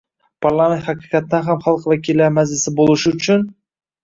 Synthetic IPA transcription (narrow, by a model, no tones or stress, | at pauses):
pʰaɾlˠamʲent̪hɑqɨ̥qɑt̪ːanɦamχɑlˠqvakʲʰɪlːaɾmazlɪsɪbolˠɪʃɪʊt͡ʃʰʊn